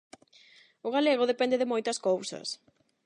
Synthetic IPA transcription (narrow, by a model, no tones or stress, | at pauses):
ʊɣaleɣ̞ʊðepɛnd̪ɪðɪmojt̪ɐskowsɐ̰s